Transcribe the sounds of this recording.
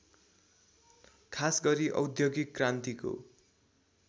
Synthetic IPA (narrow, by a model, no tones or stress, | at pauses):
kʰasɡʌɾiʔʌ̰wd̪joɡikːrant̪iko̰